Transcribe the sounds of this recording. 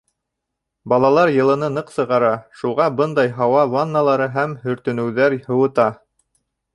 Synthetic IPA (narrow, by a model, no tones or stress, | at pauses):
bɑlˠɑlˠɑɾjɤ̆lˠɤ̆nɤnɤqsɤ̆ʁɑɾɑʃulˠʁɑbɤnd̪ɑjɦɑwɑvanːalˠɑɾɤɦæmhɵ̆ɾt̪ɵ̆nɘ̆wðæɾhɤ̆wɤ̆t̪ɑ